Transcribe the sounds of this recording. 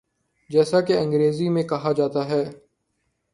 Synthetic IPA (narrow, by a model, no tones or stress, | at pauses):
d͡ʒɛːsakeɐ̃ŋɡɾeːzimẽkɐɦad͡ʒaːt̪aɦɛː